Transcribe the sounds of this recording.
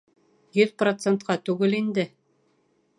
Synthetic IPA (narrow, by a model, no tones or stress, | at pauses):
jɵðprot̪sent̪̚qɑt̪ʉɡɘlind̪ɘ